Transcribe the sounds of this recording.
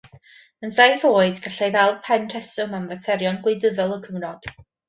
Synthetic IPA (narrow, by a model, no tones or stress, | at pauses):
ənsajθoːɨdɡaɬejðalˠpʰɛnr̥ʰɛsʊmamvətʰɛɾjɔnɡwɪɨdəðɔlˠəkʰəmrɔd̥